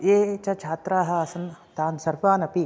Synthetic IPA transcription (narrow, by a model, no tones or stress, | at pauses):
eːt͡ʃɐt͡ʃʰaːt̪ɾaːɦɐ̆ɐsɐnt̪aːnsɐɾʋaːnɐpi